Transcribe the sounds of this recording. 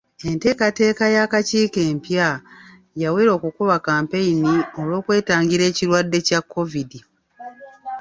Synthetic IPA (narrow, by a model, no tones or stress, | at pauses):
e̞nte̞ːkate̞ːkajakaciːke̞ːmpja | jaweːɾo̞ːkukuβakaːmpe̞inio̞lwo̞ːkwe̞ːtaːŋɡiɾe̞ːciɾwadːe̞cakːo̞vidi